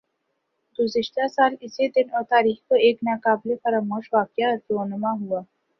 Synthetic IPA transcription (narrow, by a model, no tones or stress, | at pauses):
ɡuziʃʈ̪asalised̪inɔt̪aːɾiːxkəeːknakaːblepəɾəmoʃʋakjaəɾponəmaɦua